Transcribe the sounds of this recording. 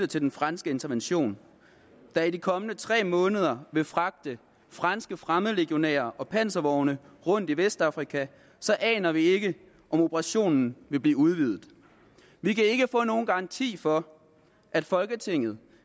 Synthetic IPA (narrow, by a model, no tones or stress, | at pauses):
ət͡sʰe̝ld̥enfʁɑnsɡ̥əe̝nt͡sʰɐʋenɕo̝̰ːn | d̥æidikʰɒ̽mənət͡sʰʁɛ̰ːmɔ̽ːnəð̞ˠɐʋe̝fʁɑ̈ɡ̥̚d̥ə | fʁɑnsɡ̥əfʁamð̩ˠʁeɡ̥io̝nɛ̰ːɐʔɒ̽pʰæn̰sɐʋɒʊnəʁɔ̽n̰d̥iʋesd̥ɑ̈fʁikʰæ | sɒ̽ʔɛ̰ːnɐʋie̝ɡ̥ə | ʔɒ̽mo̝pʰəʁɑ̈ɕo̝̰ːnn̩ʋe̝b̥liːuð̞ˠʋiðˠð̩ˠ | ʋikʰæe̝ɡ̥əfɔ̰̽ːno̝ːn̩ɡ̥ɑ̈ɑ̈nt͡sʰḭːfɒ̽ | ʔæd̥fɒ̽lɡ̥ət͡sʰe̝ŋ̰ð̞̩ˠ